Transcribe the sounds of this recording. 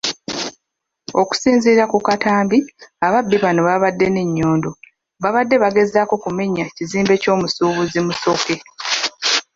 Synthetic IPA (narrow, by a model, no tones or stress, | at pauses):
o̞ku̥siːnziːɾakukataːmbiaβabːiβano̞βaβadːe̞neɲːo̞ːndo̞ | βaβadːe̞βaɡe̞zako̞kume̞ɲaciziːmbe̞co̞ːmusuːβuzimuso̞ke̞